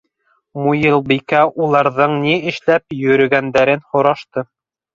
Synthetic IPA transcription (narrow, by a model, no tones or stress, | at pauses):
mujɤlˠbikæʔulˠɑɾðɤɴniɘ̆ʃlæp̚jɵ̆ɾɵ̆ɡænd̪æɾɘnhŏɾɑʃt̪ɤ